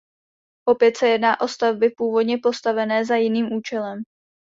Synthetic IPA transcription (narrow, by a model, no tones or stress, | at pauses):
ʔo̞pjɛt̪sɛjɛdnaːʔo̞st̪avbɪpuːvo̞dɲɛpo̞st̪avɛnɛːzajɪniːmʔuːt͡ʃɛlɛm